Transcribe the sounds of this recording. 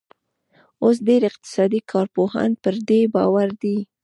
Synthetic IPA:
os̬ɖeɾɪq̚t̪ɪ̥sɑd̪ikʰɑɾpoha̰npəɾd̪ebɑwaɾd̪i

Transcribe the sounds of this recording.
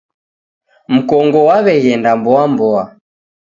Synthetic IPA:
m̩kɔŋɡɔwaβɛɣɛndambɔambɔa

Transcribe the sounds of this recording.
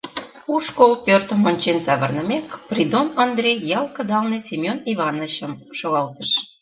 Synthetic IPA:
uʃkolpørt̪ə̆monʲt͡ɕensɑβərnə̆mekprid̪onɑnd̪ɾʲejjɑlkəd̪ɑlnesʲemʲjoniβɑnəɕəmʃoɣɑlt̪ə̆ʃ

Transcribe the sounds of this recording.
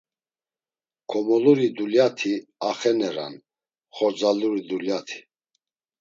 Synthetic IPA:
kʰɔmɔluɾid̪uljat̪ʰiaχɛnɛɾa̰n | χɔɾd͡zaluɾid̪uljat̪ʰi̥

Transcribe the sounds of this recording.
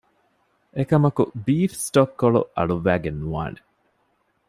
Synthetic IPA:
ekɐmɐkubiːfsʈokːoɭṵɐ̰ɭuʋːæːɡenːua̰ːne

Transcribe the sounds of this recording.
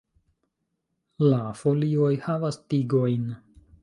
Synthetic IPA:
lafo̞lio̞jhavastiɡo̞jn

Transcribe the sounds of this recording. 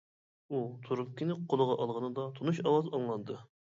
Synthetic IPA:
ut̪ʰuɾɨpkʲinɪqʰolˠəʁɑʔɑlˠʁənɨd̪ɑt̪ʰonuʃɑwɑzɑŋlˠɑnd̪ɨ

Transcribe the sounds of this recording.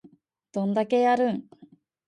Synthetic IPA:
d̪̥õ̞nd̪ake̞jaɾɯ̟̃ŋ

